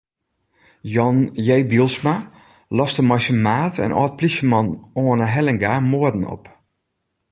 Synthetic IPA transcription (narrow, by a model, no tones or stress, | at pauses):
jɔnjejbilˠsma | lɔstəmɔjsəmaːtɛ̰nʔɔ̰ːt̚plisəmɔnoənəɦɛlɛŋɡamoːədn̩ɔ̰p